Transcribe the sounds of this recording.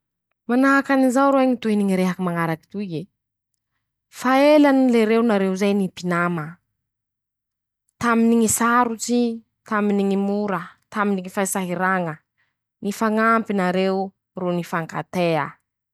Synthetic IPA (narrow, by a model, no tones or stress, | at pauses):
manaakanizawɾoaŋit̪uiniŋiɾeɦakimaŋaɾaki̥t̪ue | faelanileɾewnaɾeuzajnipinamə | t̪aminiŋisaɾut͡si | t̪aminiŋimuɾət̪aminiŋifaisaɦiɾaŋə | nifaŋampinaɾew | ronifaŋka̰t̪eə